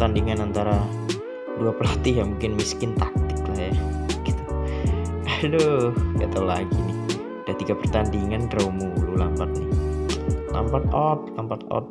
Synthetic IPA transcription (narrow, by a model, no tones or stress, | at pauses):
t̪andiŋanant̪aɾa | duapəlat̪ijamuŋkɪnmiskɪnt̪ak̚t̪ɪ̥klahjaɡ̥it̪u | dohɡat̪aulaɡinɪh | d̥at̪iɡapərt̪andiŋandɾoumululampat̪̚nɪh | la̰mpat̪̚ɔt̪̚lampat̪ɔ̰t̪̚